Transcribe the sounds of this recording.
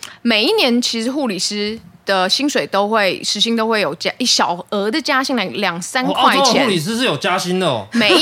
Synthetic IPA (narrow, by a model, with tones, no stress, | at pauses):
me˨˩ɪi˥˩njɛ˧˦nt͡ɕʰi˧˥ʂɻ̩˧˥xu˥˩li˨˩ʂɹ̩˥d̪̥ə˨ɕi˥nʂwe˨˩ɪt̪o˥ʊxwe˥˩ɪʂɻ̩˧˥ɕi˥ŋt̪o˥ʊwe˥˩ɪjo˨˩ʊt͡ɕa˦ʔi˥˩ɕjɑ˨˩ʊɤ˧˥d̪ə˨t͡ɕja˦˥ɕi˥ŋlɑ˨˩ljɑ˨˩ŋsa˦˥nkʰwa˧˥˧t͡ɕʰu˥˨li˨˩s̬ɹ̩˥ʂɻ̩˥˩jo˨˩t͡ɕja˦˥ɕi˥nd̪ə̰˨me˨ɪ